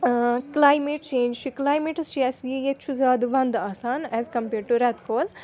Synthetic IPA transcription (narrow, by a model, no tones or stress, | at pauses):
klaːjmeːʈ̚t͡ʃẽːnd͡ʒt͡ʃʰiklaːjmeːʈst͡ʃiɛsjijet͡ʃʰuzaːd̪uʋɐ̃nd̪aːsaːnɛːzkɐ̃mpeːɾʈːuɾɛt̪koːl